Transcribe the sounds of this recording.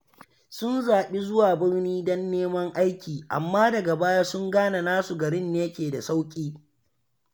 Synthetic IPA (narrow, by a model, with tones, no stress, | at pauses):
sʊ˦nzaː˨ɓi˦zʊ˦waː˨bɪ˦rniː˦dɔ˦nːeː˦mɐ˦ŋʔa˦jkʲiː˨ʔa̰˨mːaː˦dɐ˨ɡa˨baː˦jaː˦sʊ˦ŋɡaː˦na˨naː˦su˨ɡɐ˨ɾɪ˦nːeː˦kʲeː˨da˨sa˦wkʲʼiː˦